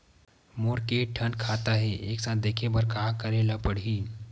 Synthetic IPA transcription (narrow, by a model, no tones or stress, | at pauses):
moɾkeʈʰənkʰat̪aɦeʔeksãt̪d̪ekʰebəɾkakəɾelapəɽ̤i